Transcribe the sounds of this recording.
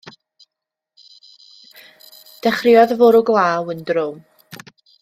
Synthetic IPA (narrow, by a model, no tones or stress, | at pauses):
d̥ɛχrɪɔðəvʊɾʊɡlˠaːwəndrʊm